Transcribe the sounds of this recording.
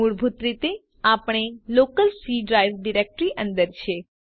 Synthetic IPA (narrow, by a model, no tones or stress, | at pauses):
uɭbʱut̪ɾit̪e | apɳ̃elokəlsiɖɾajʋɖiɾek̚ʈɾiʔə̃nd̪əɾt͡ʃʰe